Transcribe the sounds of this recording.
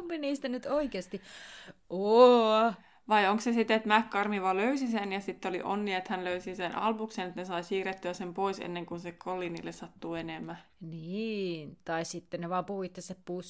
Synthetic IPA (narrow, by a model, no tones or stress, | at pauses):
mpiniːst̪ænyt̪oikeːst̪i | o | ʋɑioŋksesit̪et̪mækːɑrmiʋɑløysisenjɑsit̪ːeoliʔo̰nːiɑet̪hænløysisenʔɑ̰lpukseːnet̪nesɑisiːret̪ːøæsempoisḛnːeŋkunsekkʰolːiːnilːessɑt̪ːuːenemːæniːnt̪ɑissit̪ːeneʋɑːmpuhuit̪ːessæppus